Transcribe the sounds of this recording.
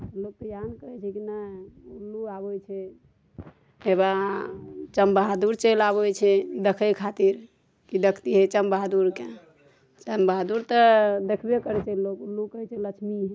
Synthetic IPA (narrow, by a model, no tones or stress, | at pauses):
lok̚t̪əjankəɾɛt͡ʃʰɛkinəulːuabojt͡ʃʰɛ | ɦeba | t͡ʃəmbaɦd̪uɾt͡ʃelabojt͡ʃʰɛd̪ekʰəjkʰat̪iɾ | kid̪əkʰt̪iɦət͡ʃəmbad̪uɾke | t͡ʃəmbad̪uɾt̪əd̪ekʰbekəɾɛt͡ʃʰɛlokulːukəɦɛt͡ʃʰɛlət͡ʃʰmiɦɛ